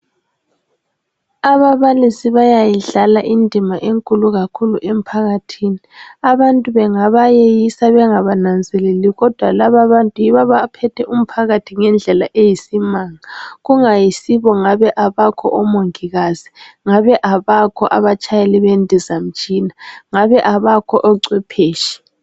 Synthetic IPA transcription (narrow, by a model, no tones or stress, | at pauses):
aβaβalisiβajajiɮalaʔindʱimaʔeŋkʼuluɣakʰuluʔem̩pʰaɣatʰiːniaβantʼuβɛŋaβajejisaβɛŋaβanand͡zʱɛleliɣɔd̥ʱwalaβaβantʼujiβaβapʰɛtʰɛʔum̩pʰaɣatʰiŋɛnd͡ɮʱɛlaʔejisimaːŋaɣuŋajisiβɔŋaβɛʔaβakʰɔ̰ʔɔmoŋiɣaz̥iŋaβɛʔaβakʰɔʔaβat͡ʃʰʼajɛlɛβendʱizam̩t͡ʃʼinaŋaβɛʔaβakʰɔʔɔǀwɛpʰeːʃi̥